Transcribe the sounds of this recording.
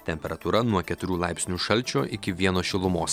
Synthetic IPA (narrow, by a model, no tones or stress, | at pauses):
t̪ʲɛmʲpʲɛɾɐt̪uːɾɐnuɔkʲɛt̪ʊɾʲuːlˠɑˑɪpʲsʲnʲuːʃɐlʲˑt͡ʃʲoːʔɪkʲɪʋʲiɛnoːʃʲɪlˠʊmoːs